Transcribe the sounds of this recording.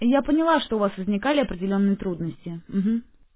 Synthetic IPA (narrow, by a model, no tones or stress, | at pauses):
japənʲɪlˠaʂt̪oʊvasvəzʲnʲɪkalʲɪɐpɾʲɪdʲɪlʲo̞nːɨjət̪ɾud̪nəsʲtʲɪm̩ɦm̩